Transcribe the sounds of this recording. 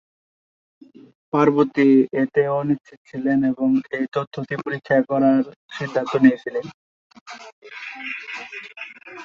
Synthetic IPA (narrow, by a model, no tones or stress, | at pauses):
paɾbot̪iet̪eoniʃt͡ɕʰit̪̚t͡ɕʰileneboŋejt̪ot̪ʰːot̪ipoɾikʰːakɔɾaɾʃid̪ʱːant̪onijet͡ɕʰilen